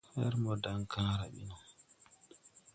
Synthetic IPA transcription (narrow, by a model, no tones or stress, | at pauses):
hɛɾmɔdaŋkʰaːɾaɓḭnɔ